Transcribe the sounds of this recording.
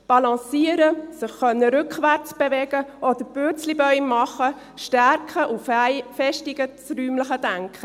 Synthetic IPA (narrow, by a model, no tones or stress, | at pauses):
b̥ɑlɑ̃siəɾəsɪχːœnːəɾʏkχʋæɾt͡sb̥eʋɛɡ̥əʔɔd̪əɾb̥øt͡slibœʏmmɑχə | ʃtæɾkχəʔuffɛʃtɪɡət͡sɾyːmləχəd̥æŋkχə